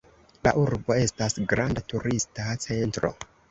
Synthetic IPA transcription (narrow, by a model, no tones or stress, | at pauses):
la̰ʔuɾbo̞e̞stasɡɾandatuɾistat͡se̞ntɾo̞̰